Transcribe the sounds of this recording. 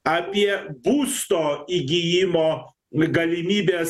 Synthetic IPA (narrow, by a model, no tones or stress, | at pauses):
ɐpʲiɛbuːst̪ɔiɡʲijimɔ | ɡɐlʲimʲiːbʲe